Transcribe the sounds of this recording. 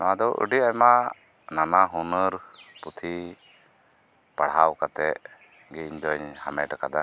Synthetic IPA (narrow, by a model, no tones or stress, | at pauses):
naad̪ɔwʔə̰ɖiajma | nanaɦunəɾput̪ʰi | paɽɦawkat̪ɛʔ | ɡiɲd͡ʒ̪ɔɲhamɛʈakad̪a